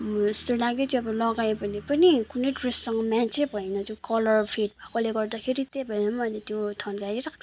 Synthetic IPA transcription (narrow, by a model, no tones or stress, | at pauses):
ist̪olaɡetʰʌbʌlʌɡajbʱʌnipʌnikuneʈressʌŋɡʌmant͡sʰebʱʌjnʌt̪okʌlʌrpʰeʈ̚akʌleɡʌrd̪akʰeɾit̪ebʱʌjnʌmʌlet̪jot̪ʰʌnkaɾiɾʌk